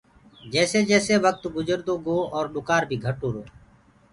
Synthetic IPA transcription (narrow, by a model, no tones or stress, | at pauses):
d͡ʒɛːseːd͡ʒɛːseːʋək̚t̪ɡʊd͡ʒəɾd̪oːɡoːɔːɾɗʊkaːɾbʱiːɡʱəʈoːɾoː